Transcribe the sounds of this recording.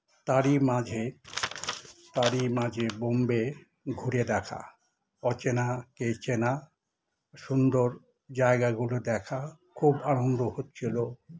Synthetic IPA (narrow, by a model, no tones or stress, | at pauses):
t̪aɾimad͡ʑʱe | t̪aɾimad͡ʑʱebombe | ɡʱuɾed̪ɛkʰa̰ | ɔt͡ɕenaket͡ɕʰena | ʃund̪oɾ | d͡ʑaeɡaɡulod̪ɛkʰakʰubanond̪ʱohotːt͡ɕʰilo